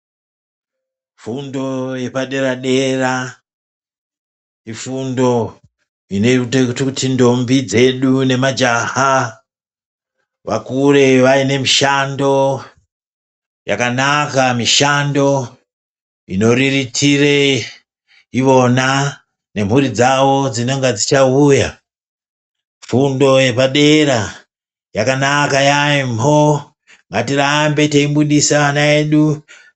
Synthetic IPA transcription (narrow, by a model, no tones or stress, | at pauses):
fundo̞je̞paɗe̞ɾaɗe̞ra | ifundo̞ | ineutekututʰindo̞mbid͡ze̞ɗune̞mad͡ʒaha | ʋakure̞ʋaine̞miʃando̞ | ja̰kanakamiʃando̞ | ḭno̞ɾiritʰire | iʋo̞na | ne̞m̤uɾid͡zawo̞d͡zinoŋɡad͡zit͡ʃauja̰ | fundo̞je̞paɗe̞ɾa | jakanakajaimo | ŋɡatirambe̞teimbuɗisaʋanaeːɗu